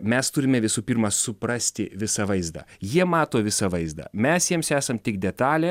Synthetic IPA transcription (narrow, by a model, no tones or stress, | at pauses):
mʲɛst̪ʊɾʲɪmʲɛʋʲɪsuːpʲiɾmɐsʊpɾɑsʲt̪ʲɪʋʲɪsɑːʋɐɪzd̪ɑ̰ːjiɛmɑːt̪oːʋʲɪsɑʋɐɪzd̪ɑ̰ːmʲɛsjiɛmsæːsɐmt̪ʲɪkd̪ʲɛt̪ɑːlʲeː